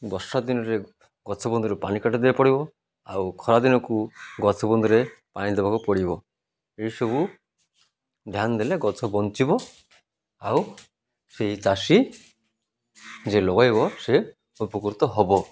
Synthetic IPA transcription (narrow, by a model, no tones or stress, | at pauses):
bɔsad̪inɔɾe | ɡɔt͡ʃʰɔbɔnd̪uɾepanikaʈɔd̪eapɔɽibɔ | a̰wkʰɔɾad̪inɔkuɡɔt͡ʃʰɔbɔnd̪uɾepaɽ̃id̪ebakupɔɽibɔ | eisɔbu | d̪ʱjand̪eleɡɔt͡ʃʰɔbɔnt͡ʃibɔ | aw | seɦit͡ʃasi | d͡ʒelɔɡajbɔse | upɔkuɾt̪ɔɦɔbɔ